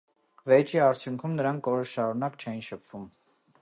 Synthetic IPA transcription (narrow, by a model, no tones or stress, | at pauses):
vɛt͡ʃʰiɑɾt͡sʰjuŋkʰumnəɾɑŋkɔɾəʃɑɾunɑkt͡ʃʰɛjinʃəpʰv̥um